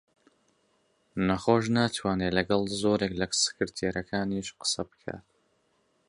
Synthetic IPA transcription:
nɐχoːʃ̬naːt̪ʰwaːnelɐɡɐlˠzoːɾeklɐsɨ̥kɨɾt̪ʰeːɾʔɐkʰaːniʃqə̥sɐbɨ̥kʰa̰ːt̪

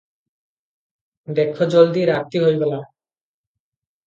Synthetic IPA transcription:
d̪ekʰːod͡ʑold̪iɾak̚t̪ːiɦojbela

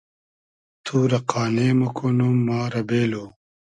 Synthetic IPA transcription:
t̪ʰuːɾɐqʰaːneːmɐkʰonumːaːɾɐbeːloː

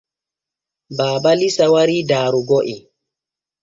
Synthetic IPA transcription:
baːbalisawaɾiːdaːɾuɡɔʔi

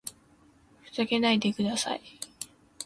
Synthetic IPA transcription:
ɸɯ̟̥saɡe̞naid̪e̞kɯ̟d̪asa̰i

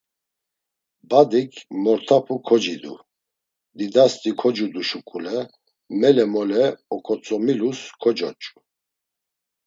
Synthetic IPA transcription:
bad̪ikʰmɔɾt̪ʰapʰukʰɔd͡ʒid̪ṵ | d̪id̪ast̪ʼikʰɔd͡ʒud̪uʃukʼulɛ | mɛlɛmɔlɛɔkʰʼɔt͡sʼɔmiluskʰɔd͡ʒɔt͡ʃʼu̥

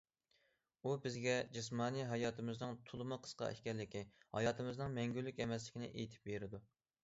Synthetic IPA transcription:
ubɪzɡʲɛd͡ʒɪs̬mɑːnijɦɑjɑːt̪ʰɨmɨznɨŋt̪ʰʊlˠɨmɨqʰə̥sqɑ̰ɛ̰ʃkʲɛlːɪkʲihɑ̰jɑːt̪ʰɨmɨznɨŋmɛŋɡʲylːykʲɛmɛslɪkʲinɪ̰ʔejt̪ʰɪ̥p̚beɾɪd̪u

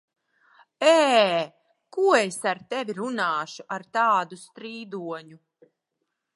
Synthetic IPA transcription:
ɛː | kuɔesaɾt̪ɛvʲiɾunaːʃuʔaɾt̪aːd̪ust̪ɾiːd̪uɔɲu

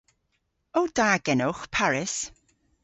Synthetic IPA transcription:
owd̥aːɡɛnʊχpʰaɹɪs

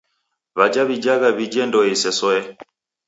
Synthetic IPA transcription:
βad͡ʒaβid͡ʒaɣaβid͡ʒɛndɔisɛsɔɛ

